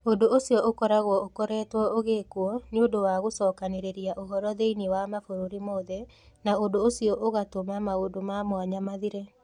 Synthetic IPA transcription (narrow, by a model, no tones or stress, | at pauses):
odoosjɔʔokɔɾaɣɔokɔɾɛːtwɔoɣekwɔnodowaɣosɔkaneɾeɾiaʔoɦɔɾɔðeiniwamafoɾoɾimoðɛ | naodoːsiɔʔoɣatomamaodomamwaɲamaðiɾe